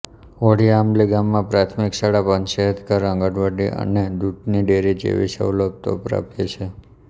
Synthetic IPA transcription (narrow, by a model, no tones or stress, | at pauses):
oɽiamliɡamːãpɾat̪ʰmiksaɽapənʃeɦəd̪kəɾə̃ŋɡəʈʋəɖiʔə̰ned̪ut̪niɖeɾid͡ʒḛʋḭsə̰wlək̚t̪o̰pɾa̰pet͡ʃʰe